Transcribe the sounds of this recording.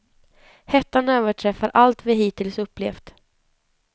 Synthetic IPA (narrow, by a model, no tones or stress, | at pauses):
hɛt̪ːanøːvəʈʰɾɛfaɾʔalt̪vɪɦiːt̪ɪlsɵpːlḛːft̪